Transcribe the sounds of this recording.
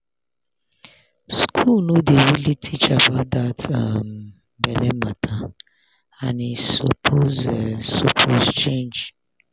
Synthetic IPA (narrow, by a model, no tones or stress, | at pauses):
skʰulnodewilitʰit͡ʃabaʊtdatam | bɛlɛmatʰa | anisopʰozsopʰozt͡ʃẽnd͡ʒ